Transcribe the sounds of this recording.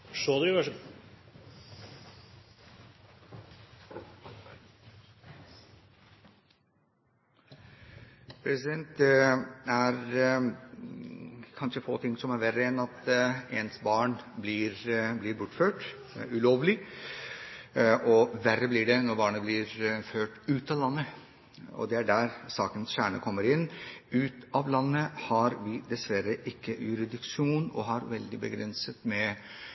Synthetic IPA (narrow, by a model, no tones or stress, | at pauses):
ʂoːd̪ʋæʂ | pʰɾɛsɪd̪ɛnt̪ɛæɾ | kʰɑnʂəfo̰ːt̪ʰɪŋːsɔmæɾʋærəɛnɑt̪ɛnsbɑːɳblɪɾblɪɾbʊʈføːʈ | ʉloːʋlɪ | ʔɔʋærːəblɪɖɛnɔɾbɑːɳəblɪɾføːʈʉːt̪ɑlɑnːə | ɔ̰d̪ɛæɖæɾsɑːkənsɕæːɳə̰kʰɔmːəɾɪnːʉːt̪ɑʋlɑnːəhɑɾʋɪd̪ɛsʋæɾəʔɪkːəjʉɾɪd̪ɪkʂuːnɔ̰ɦɑɾʋɛld̪ɪbəɡɾɛnsət̪mɛ